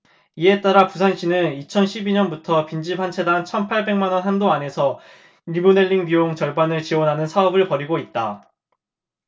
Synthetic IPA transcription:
ie̞t͈aɾapusʰanɕ͈ʰinɯnit͡ɕʰʌnɕʰibiɲʌnbutʰʌpind͡ʑipʰant͡ɕʰe̞daŋt͡ɕʰʌnpʰaɭbe̞ŋmanwʌnɦandoane̞sʰʌ | iɭbune̞ʎːiŋbioŋt͡ɕʌɭbanɯɭt͡ɕiwʌnɦanɯnsʰaʌbɯɭpʌɾiɡoit̚t͈a

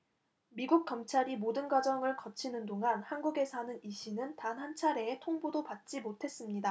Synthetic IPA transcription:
miɡuk̚k͈ʌmt͡ɕʰaɾimodɯnɡwad͡ʑʌŋɯɭkʌt͡ɕʰinɯndoŋɦanhanɡuɡe̞sʰanɯniɕʰinɯntanhant͡ɕʰaɾe̞etʰoŋbodopat̚t͡ɕ͈imotʰe̞s͈ɯmɲida

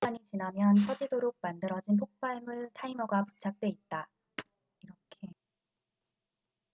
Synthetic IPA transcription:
aɲit͡ɕinɦamjʌnkʰʌd͡ʑidoɾok̚mandɯɾʌd͡ʑinp̬ʰok̚p͈aɭmɯɭtʰaimʌɡapu̥t͡ɕʰak̚t͈we̞it̚t͈a | iɾʌkʰe

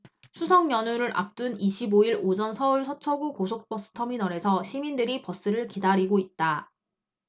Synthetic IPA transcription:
sʰusʰʌŋjʌnuɾɯɾʔa̰p̚t͈uniɕʰiboiɾod͡ʑʌnsʰʌuɭsʰʌt͡ɕʰʌɡukosʰok̚p͈ʌs͈ɯ̥tʰʌminʌɾe̞sʰʌɕʰimindɯɾipʌs͈ɯɾɯɭkidaɾiɡoit̚t͈a

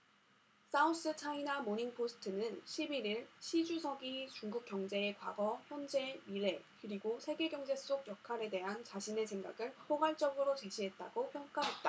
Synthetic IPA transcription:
s͈auns͈ɯt͡ɕʰainamoɲiŋpʰosʰɯ̥tʰɯnɯnɕʰibiɾiɭɕʰid͡ʑusʰʌɡit͡ɕuŋɡuk̚k͈jʌŋd͡ʑe̞ːkwa̰ɡʌçjʌnd͡ʑe̞miɾe̞kɯɾiɡosʰe̞ɡe̞ɡjʌŋd͡ʑe̞s͈oɡjʌkʰaɾe̞de̞ɦant͡ɕaɕʰine̞sʰe̞ŋɡa̰ɡɯɭpʰoɡwaɭt͡ɕ͈ʌɡɯɾot͡ɕe̞ɕʰiɦe̞t̚t͈aɡopʰjʌŋk͈aɦe̞t̚t͈a

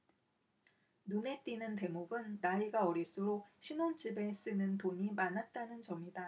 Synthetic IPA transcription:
nune̞t͈inɯnte̞moɡɯnːaiɡaʌɾiɭs͈ɯɾok̚ɕʰinont͡ɕibe̞s͈ɯnɯntoɲimanat̚t͈anɯnt͡ɕʌmida

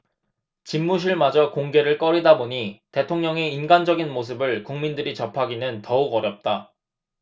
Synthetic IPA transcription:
t͡ɕimːuɕ̬ʰiɭmad͡ʑʌkoŋɡe̞ɾɯɭk͈ʌɾidaboɲite̞tʰoŋɲʌŋe̞inɡand͡ʑʌɡinmos̬ʰɯbɯɭkuŋmindɯɾit͡ɕʌpʰaɡinɯntʌuɡʌɾjʌp̚t͈a

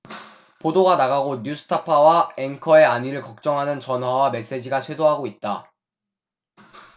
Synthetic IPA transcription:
podoɡanaɣaɡoɲusʰɯ̥tʰapʰawaenkʰʌe̞aɲiɾɯɭkʌk̚t͡ɕ͈ʌŋɦanɯnt͡ɕʌnɦwawame̞s͈e̞d͡ʑiɡat͡ɕʰwe̞doɦaɡoit̚t͈a

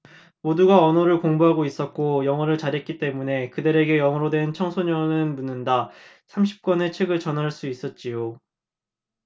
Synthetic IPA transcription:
moduɡaʌnʌɾɯɭkoŋbuɦaɡois͈ʌt̚k͈ojʌŋʌɾɯɭt͡ɕaɾɦe̞t̚k͈it͈e̞mune̞kɯdɯɾe̞ɡe̞jʌŋʌɾodwe̞nt͡ɕʰʌŋsʰoɲʌnɯnmunɯnda | sʰamɕʰi̥p̚k͈wʌnet͡ɕʰweɡɯɭt͡ɕʌnɦaɭs͈uis͈ʌt̚t͡ɕ͈ijo

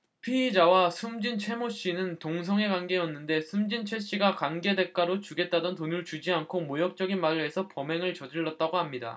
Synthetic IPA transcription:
pʰiːd͡ʑawasʰumd͡ʑint͡ɕʰwe̞moɕ͈inɯntoŋs̬ʰʌŋe̞kanɡe̞jʌnːɯnde̞sʰumd͡ʑint͡ɕʰwe̞ɕ͈iɡakanɡe̞de̞k͈aɾot͡ɕuɡe̞t̚t͈adʌntonuɭt͡ɕud͡ʑiankʰomojʌk̚t͡ɕ͈ʌɡinmaɾe̞sʰʌpʌme̞ŋɯɭt͡ɕʌd͡ʑiɭːʌt̚t͈aɡoɦamɲida̰

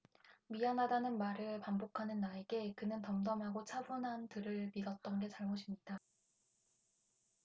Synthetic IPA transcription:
mianɦadanɯnmaɾɯɭpambokʰanɯnːaeɡe̞kɯnɯntʌmdʌmɦaɡot͡ɕʰabunɦantɯɾɯɭmidʌt̚t͈ʌnɡe̞t͡ɕaɭmoɕʰimɲida

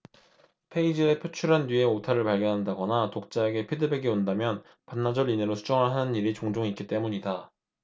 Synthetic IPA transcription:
pʰe̞id͡ʑie̞pʰjot͡ɕʰuɾɦanːɥie̞otʰaɾɯɭpaɭɡjʌnɦandaɡʌnatok̚t͡ɕ͈aeɡe̞pʰidɯbe̞ɡeondamjʌn | panːad͡ʑʌɾineɾosʰud͡ʑʌŋɯɭɦanɯniɾit͡ɕoŋd͡ʑoŋik͈it͈e̞muɲida

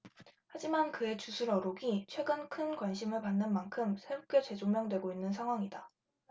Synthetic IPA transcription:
had͡ʑimankɯe̞t͡ɕusʰuɾʌɾoɡit͡ɕʰwe̞ɡɯnkʰɯnkwanɕʰimɯɭpanːɯnmankʰɯmsʰe̞uk͈ʰjʌt͡ɕe̞d͡ʑomjʌŋdwe̞ɡoinːɯnsʰaŋɦwaŋida

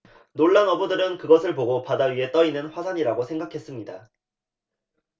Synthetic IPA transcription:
noɭːaŋʌbudɯɾɯnkɯɡʌsʰɯɭpoɡopadaɥie̞t͈ʌinɯnɸwasʰaɲiɾaɡosʰeŋɡakʰe̞s͈ɯmɲida

